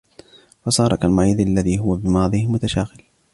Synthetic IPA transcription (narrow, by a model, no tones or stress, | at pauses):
fɑsɑːɾˤɑkalmaʕiːd̪ʔalːaðiːɦʊwabɪmɑːðˤiːmʊt̪aʃaːɣɪl